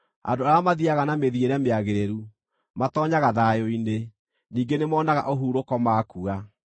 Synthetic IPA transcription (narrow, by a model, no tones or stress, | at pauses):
a̰ndoaɾamaðiaɣanameðieɾɛmeaɣeɾeɾu | matɔːɲaɣaðajoine | niːŋɡenemɔːnaɣa̰ʔoɦuːɾokɔmaːkua